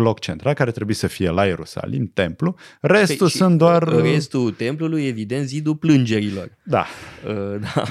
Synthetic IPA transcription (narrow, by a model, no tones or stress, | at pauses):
lo̞kt͡ʃe̞nt̪ɾalkaɾet̪ɾe̞buisəfije̞laje̞ɾusa̰lḭmt̪e̞mplure̞st̪usunt̪̚d̪oarrest̪ut̪e̞mpluluje̞vid̪e̞nt̪zid̪uplɨnd͡ʒe̞ɾilo̞̰rd̪a̰əd̪a